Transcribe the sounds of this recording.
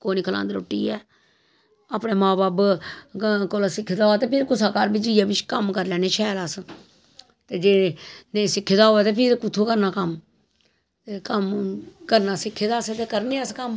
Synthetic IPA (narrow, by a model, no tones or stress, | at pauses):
koːniːkʰəla̰ːnd̪ɾo̰ːʈːḭːɛː | əpneːmaːbaːb | koːlaːsɪkʰːd̪aːoːaːt̪eːpʰɪɾkʊsaːkaːɾbid͡ʒijaːbɪt͡ʃʰkəmkəɾlɛːneːt͡ʃʰɛːlaːs | t̪eːd͡ʒeːnesɪkʰːeːd̪aːɦoːɛːt̪eːpʰɪɾkʊt̪ʰoːkəɾnaːkəm | t̪eːkəmkəɾnaːsɪkʰːeːd̪aːset̪eːkəɾneːəskəm